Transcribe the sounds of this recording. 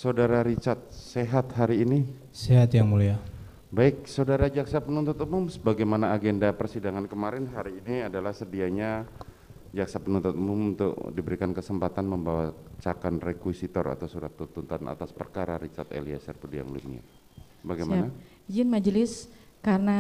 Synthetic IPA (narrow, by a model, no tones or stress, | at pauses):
sadaɾaɾit͡ʃat̪̚seɦat̪̚ɦaɾiːni | seɦat̪jaŋmulia | baɪk̚sawdaɾad͡ʒaksapənunt̪ʊt̪umʊmsəbaɡajmanaːɡendapərsidaŋankəmaɾɪnɦaɾiːniadalahsədiaɲa | d͡ʒak̚sapənunt̪ʊt̪umʊmṵnt̪ʊ̰kdibəɾikankəsəmpat̪anməmbawat͡ʃakanrekwisit̪ɔ̰ra̰t̪awsuɾa̰t̪ːut̪ːunt̪ana̰t̪aspərkaɾaɾit͡ʃat̪ḛlia̰sɛrpudija̰ŋlṵa̰ | baɡajmana | d͡ʒɪnmad͡ʒlɪskarəna